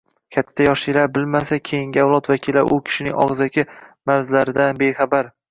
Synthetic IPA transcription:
kʲʰat̪ʰːajɒʃɪlaɾbɪlmasakʲʰe̞jɪŋɡʲɪavlˠɒt̪vakʲʰila̰ʔʊkʲʰɪ̥ʃɪnɪ̰ŋʔɒ̰ʁɨzakʲʰɪmaɾzlaɾɪd̪anbe̞χabaɾ

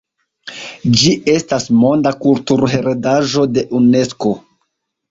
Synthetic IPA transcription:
d͡ʒiʔe̞stasmo̞ndakultuɾɦeɾedaʒo̞de̞ʔune̞sko̞

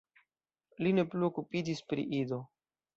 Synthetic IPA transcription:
line̞pluokupid͡ʒispɾḭʔido

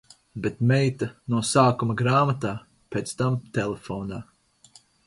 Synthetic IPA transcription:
bet̪mɛjt̪anuɔsaːkumɐɡɾaːmat̪aː | peːt̪st̪amt̪ɛlefɔːnaː

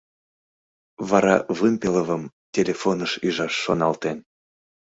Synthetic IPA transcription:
vɑɾɑvɨmpeləvəm | tʲelʲefonəʃyʒɑʃːonɑlt̪en

